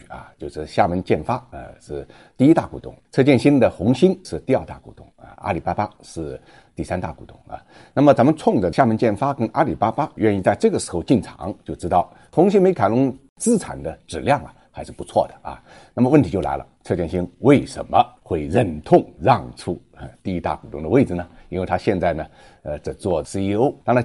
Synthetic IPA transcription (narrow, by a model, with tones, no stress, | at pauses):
ɐ̰˩t͡ɕjo˥˧ʊʂɻ̩˥˩ɕja˥˩mə˧˥nt͡ɕjɛ˥˩nfa˥ə̰˧ʂɻ̩˥˩ | t̪i˥˧i˥t̪a̰˥˩kṵ˧˥˩t̪ʊ̰˥˩ŋt͡sʰɤ˥˧t͡ɕjɛ˥˧nɕi˥nd̪ə˨xʊ˧˥ŋɕi˥nʂɻ̩˥˧t̪i˥˧ɑ˞˥˧t̪a˥˩kṵ˧˩t̪ʊ̰˥˩ŋɐ̰˩a̰˥li˨˩pa˥pa˥ʂɻ̩˥˩ | t̪i˥˩sa˥nt̪a̰˥˩ku˧˥˩t̪ʊ˥˩ŋɐ̰˨˩ | na˥˩mə˨˩t͡sə˧˥nmə˧t͡sʰʊ˥˩ŋʈ͡ʂə˩ɕja˥˧˩mə˧˥nt͡ɕjɛ˥˩nfa˥kə˥nʔa˥li˨˩pa˥pa˥ɥɛ˥˧ni˥˧t͡sa˥˧ɪʈ͡ʂɤ˥˩ɡə˩ʂɻ̩˧˥xo˧ʊt͡ɕi˥˩nʈ͡ʂʰɑ̰˧˥ŋt͡ɕjo˥˩ʊʈ͡ʂɻ̩˥t̪ɑ˥˩ʊ | t̪ʰʊ˧˥ŋɕi˧˥nme˧˥ɪkʰa˨˩nlʊ˧˥ŋ | t͡sɹ̩˥ʈ͡ʂʰa̰˨˩nd̪ə˦ʈ͡ʂɻ̩˨˩ljɑ˥˩ŋɐ̰˩xa˧˥ɪʂɻ̩˥˩pu˧˥t͡sʰwɔ̰˥˩d̪ə˩ɐ̰˧˩ | na˥˩mə˩wə˥˩nt̪ʰi˧˥jo˥˩ʊla̰˧˥ɪlə̰˧ʈ͡ʂʰɤ˥˧t͡ɕjɛ˥˩nɕi˥ŋwe˥˩ɪʂə̰˧˥nmə˧xwe˥˧ɪɻə˥˧˩nt̪ʰʊ˥˧ŋɻɑ˥˧ŋʈ͡ʂʰu˥˩ | ə˧t̪i˥˧i˧˥t̪a̰˥˩ku˨˩t̪ʊ˧ŋd̪ə˧we˥˩ɪɹ̩˩nə˩i˥nwe˥˩ɪt̪ʰa˥ɕjɛ˥˧nt͡sa˥˩ɪnə˩ | ə˧ʈ͡ʂə˨˩t͡swɔ˥˩sɹ̩˥˧i˥o˥ʊt̪a˥˧na˧